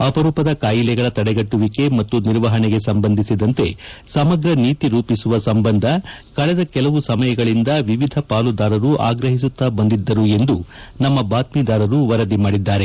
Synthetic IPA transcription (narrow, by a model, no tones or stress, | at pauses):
ɐpɐɾuːpɐd̪ɐkaːjilɛɡɐɭɐt̪ɐɽɛɡɐʈːuʋike̞mɐt̪ːuniɾʋɐɦɐɳeɡe̞sɐmbɐnd̪ʱisid̪ɐnt̪e̞sɐmɐɡɾɐniːt̪iɾuːpisuʋɐsɐmbɐnd̪ʱɐ | kɐɭɛd̪ɐkɛlɐʋusɐmɐjɐɡɐɭind̪ɐʋiʋid̪ʱɐpaːlud̪aːɾɐɾuʔa̰ːɡɾɐɦis̬ut̪ːabɐnd̪id̪ːɐɾue̞nd̪u | nɐmːɐbaːt̪miːd̪aːɾɐɾuʋɐɾɐd̪imaːɽid̪ːaːɾe